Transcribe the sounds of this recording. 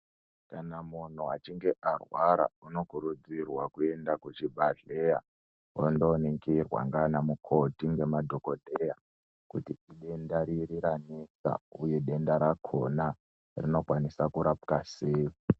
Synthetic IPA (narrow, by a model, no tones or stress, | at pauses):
kanamun̤uat͡ʃiŋɡe̞ʔarwaɾa̰uno̞kuɾud͡zirwakue̞ndakut͡ʃibʱaɮeja | wondoːniŋkirwa̰ŋɡanamukʰo̞tiŋɡe̞madʱo̞ko̞dʱeja | kutiiɗe̞ndaɾiriɾanisa̰ujeɗe̞ndaɾakʰo̞na | rino̞kwanisakuɾapkaseːji